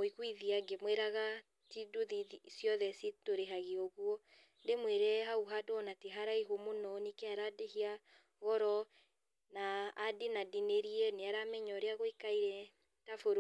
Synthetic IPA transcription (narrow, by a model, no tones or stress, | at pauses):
oiɣwiðiaɡemweɾaɣa | tidoðisjɔðɛsitoɾeɦaɣeɔɣwɔ | ndemweɾɛɦauɦadoɔnateɦaɾaiɦomonɔnikeaɾadehia | ɣɔɾɔ | naːdenadineɾiɛneaɾamɛɲɔɾeaɣoikaiɾɛ | tafoɾ